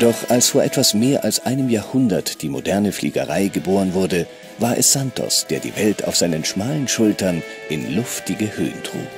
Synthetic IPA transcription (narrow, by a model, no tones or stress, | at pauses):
d̥ɔχʔalsfoːɐʔɛtv̥asmeːɐʔalsʔaɪnəmjaːɐhʊndɐtd̥iːmo̰dɛɐnəflḭːɡə̰ʁaɪɡəboːʁənvʊɐdə | vaːɐʔɛ̰sz̥antʰɔ̰sd̥eːɐdḭːvɛltʰa̰ʊfz̥aɪnənʃmaːlənʃʊltɐnʔɪnlʊftɪɡəhø̰ːəntʁ̥ṵːk